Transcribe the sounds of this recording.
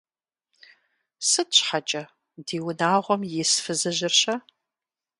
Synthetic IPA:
sɨtɕħat͡ʃʼɐ | diːwʊnaːʁʷɔmjɪsfɨzɨʑɪrɕɐ

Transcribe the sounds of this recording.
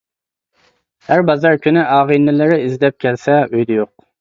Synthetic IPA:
hæɾbɑzɑɾkʲynɪʔɑːʁinːɪlɪɾɪizd̪ɛp̚kʲʰɛlsɛøjd̪ɛjoq̚

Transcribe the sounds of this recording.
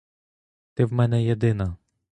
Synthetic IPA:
t̪ɪwmɛnɛjed̪ɪnɐ

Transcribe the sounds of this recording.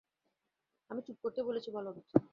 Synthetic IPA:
amit͡ɕup̚koɾt̪ebolet͡ɕʰibʱɔloɔbit͡ɕːa

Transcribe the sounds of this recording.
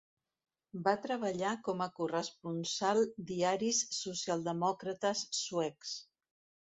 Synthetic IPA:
bat̪ɾəβəʎakɔməkurəspunsalˠd̪iaɾisːusialˠd̪əmɔkɾət̪əsːuɛks

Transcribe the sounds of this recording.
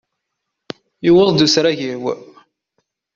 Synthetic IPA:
juwəðˤd̪usɾæʝiw

